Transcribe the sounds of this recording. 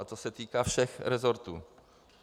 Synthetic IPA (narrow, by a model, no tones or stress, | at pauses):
at̪ɔsɛt̪ikafʂɛxɾɛzɔɾt̪u